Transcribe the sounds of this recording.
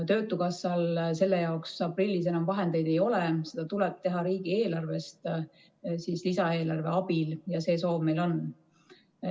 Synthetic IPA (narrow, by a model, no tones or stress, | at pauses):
t̪ø̞ːt̪ːˑukɑsːɑlse̞lːejɑoksɑprilʲːis̬e̞nɑmvɑɦe̞nd̪e̞jd̪e̞jo̞lɛse̞d̪̥ɑt̪ulɛb̥̚t̪e̞ɦɑɾiːɡ̥ie̞ːlɑrve̞st̪ | siːslisɑe̞ːlɑrve̞ɑb̥iljɑse̞ːso̞ːvme̞jlo̞n